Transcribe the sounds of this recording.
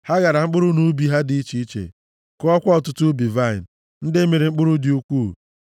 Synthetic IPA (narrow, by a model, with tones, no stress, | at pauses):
ha˦ɣa˨ɾa˨ŋ͡m̩˦k͡pʊ˦ɾʊ˦nu˦bi˨ɦa˦di˨˦i˦t͡ʃi˨˦i˦t͡ʃḛ˨ | kɔ˦ɔ˦kʷɔ˦ɔ˨tʊ˦tu˦bi˨va˦ɪ˨n̩˨ | n̩˦dɪ˦me˨ɾi˨ŋ͡m̩˦k͡pʊ˦ɾʊ˦dɪ˨u˦kʷuː˦˨